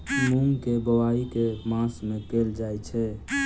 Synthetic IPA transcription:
mumkebəwaikemãsmẽkeld͡ʒajt͡ʃʰɛ

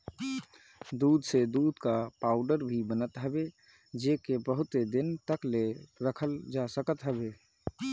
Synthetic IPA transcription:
d̪ud̪ʱsed̪ud̪kapaʊɖəɾbʱibənət̪ɦəbe | d͡ʒekebəɦʊt̪ed̪ɪnt̪əkleɾəkʰəld͡ʒasəkət̪ɦəbe

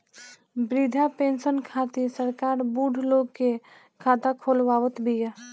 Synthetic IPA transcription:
bɾid̪ʱapẽːnsənkʰaːt̪isəɾkaːɾbuːɖʱloːɡke | kʰaːt̪akʰoːlʋaːʋət̪bʱija

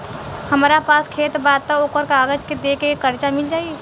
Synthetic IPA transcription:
həmɾapaːskʰeːt̪baːd̪̚t̪aoːkəɾkaːɡəd͡ʒked̪eːkekəɾt͡ʃamɪld͡ʒaːieː

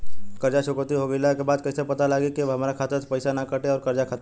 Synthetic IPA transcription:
kɐɾd͡ʒaʃʊkɾt̪iɦoɡəilakebaːd̪̚kɐɪsepɐt̪alaːɡekeɦɐmaːɾakʰaːt̪et̪opɐɪsanakəʈeɔːɾkɐɾd͡ʒakʰaːt̪

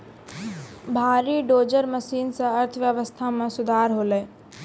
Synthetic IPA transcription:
bʱaːɾiɖoːd͡ʒəɾməsiːnsãəɾt̪ʰʋjəʋəst̪ʰamẽsʊd̪ʱaːɾɦoːleː

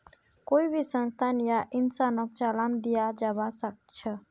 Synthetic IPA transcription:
koibʱisənst̪ʰanijaʔinsanək̚t͡ʃaland̪ijad͡ʒabasək̚t͡ʃʰə

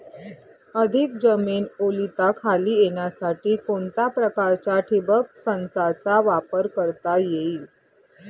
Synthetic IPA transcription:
əd̪ʱikd͡ʑəmiːnolit̪akʰaliːjeɳjasaʈiːkoɳt̪apɾəkaɾt͡ɕjaʈʰebəksənt͡sat͡saʋapəɾkəɾt̪ajeiː

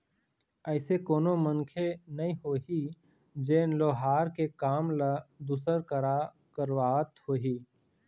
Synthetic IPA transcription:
ɛɪsekoːnoməŋkʰenɐĩɦoːɦi | d͡ʒeːnloːɦaːɾkekaːmləd̪uːsəɾkəɾa | kəɾwaːət̪hoːɦiː

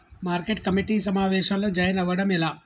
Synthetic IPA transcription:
maːɾkeʈ̚kɐmiʈisɐmaːʋɛːʃaːloːd͡ʒɐjɐnɐʋɐɽɐmilaː

